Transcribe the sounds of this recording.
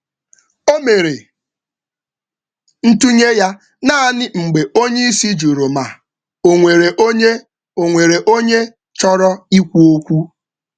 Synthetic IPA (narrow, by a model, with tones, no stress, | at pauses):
o˦me˨ɾe˨ | n̩˦tu˦ɲe˦ja˦ | na˦a˨nɪ˦ŋ͡m̩˨ɡ͡be˨o˦ɲe˦i˦si˦d͡ʒu˨ɾo˨ma˨ | o˨ŋʷe˨ɾe˨ʔo˦ɲe˦ | o˨ŋʷe˨ɾe˨ʔo˦ɲe˦ | t͡ʃɔ˦ɾɔ˦i˦kʷu˦o˦kʷu˦